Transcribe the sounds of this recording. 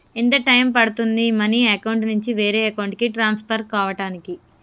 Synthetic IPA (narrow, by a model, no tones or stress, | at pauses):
int̪ɐʈɐjmpɐɽut̪und̪imɐniːɐkɐwuɳʈnuɲt͡ʃiʋeːɾeːɐkɐwuɳʈkiʈɾaːnspʰɐɾkaːʋɐʈaːniki